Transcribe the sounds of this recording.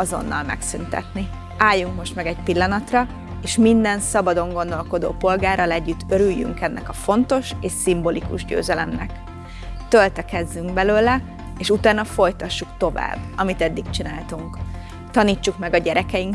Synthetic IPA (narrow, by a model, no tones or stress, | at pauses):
ɒzo̞̰nːɒ̰lmɛ̰ksynt̪ɛ̰t̪ni | aːjːuŋkmo̞ʃt̪mɛɡɛcpilːɒnɒt̪rɒ | eːʃmind̪ɛnsɒbɒd̪o̞ŋɡo̞n̪d̪o̞lko̞d̪o̰ːpo̞lɡaːrɒlɛɟːyt̪ːøɾyjːy̰ŋkɛnːʔɛkɒfo̞nt̪o̞ʃeːʃsimbo̞likṵʒɟø̰ːzɛlɛmnɛ̰k | t̪ølt̪ɛkɛzːyŋɡbɛløːlɛ | eːʃut̪aːnɒfo̞jt̪ɒʃːukt̪o̞va̰ːbːɒmit̪ɛd̪ːikt͡ʃinaːlt̪uŋk | t̪ɒniːt͡ʃːukmɛɡɒɟɛɾɛkɛjiŋ